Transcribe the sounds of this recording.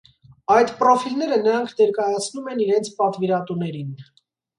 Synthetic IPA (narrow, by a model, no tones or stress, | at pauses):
ɑjt̪pɾɔfilnɛɾənəɾɑŋkʰnɛɾkɑjɑt͡sʰnumɛniɾɛnt͡sʰpɑt̪viɾɑt̪unɛɾin